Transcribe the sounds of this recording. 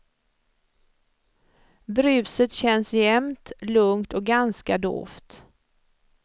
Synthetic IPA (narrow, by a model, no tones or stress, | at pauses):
bɾʏːsət̪ɕɛnsjɛmt̪lɵŋt̪ɔk̚ɡanskad̪o̰ːft̪